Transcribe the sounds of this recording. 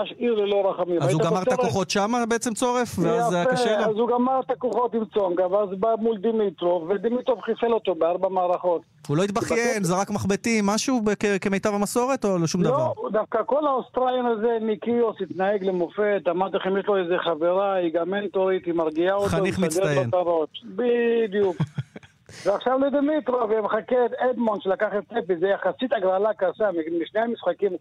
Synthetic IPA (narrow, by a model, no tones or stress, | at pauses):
aʃʔiʁlelo̞ɾaχamimajizutaɡamaʁtt̪akoχo̞t̪ʃamabeet͡semt͡so̞ʁe̞fveazajaaʃelozuɡamaʁt̪akoχot̪imt͡soŋɡavazbamuld̪imit̪ɾovved̪imit̪ɾovχifelot̪obeaʁbamaːɾaχo̞t̪ | ulo̞it̪̚baχjenzeʁakmaχbet̪imːaʃubekekemejt̪avamaso̞ʁe̞t̪o̞loʃumdaoaʁd̪afkakolaost̪ɾaljonazemikiosit̪naeɡlemofet̪amaʁdt̪aχimjeʃlo̞ezeχaveɾaiɡamːent̪oɾit̪himaʁɡiaotχanoiχmidet̪ajt̪aɾo̞tbid̪juk | veaχʃavlod̪emit̪ɾoveameχaket̪ed̪monʃelakaχet̪̚t͡sepizejaχasit̪aɡɾalakaʃamimiʃnejamisχakim